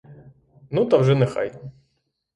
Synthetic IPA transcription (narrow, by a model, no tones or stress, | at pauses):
nut̪ɐwʒɛnɛxa̰jt̪ʲ